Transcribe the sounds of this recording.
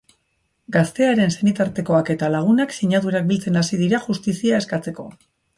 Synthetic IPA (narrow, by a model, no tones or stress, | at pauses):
ɡast̪e̞aɾe̞nsenit̪aɾt̪e̞ko̞ake̞t̪alaɣ̞unaksiɲaðuɾak̚bilt͡se̞nasið̞iɾaʝust̪isiae̞skat͡se̞ko̞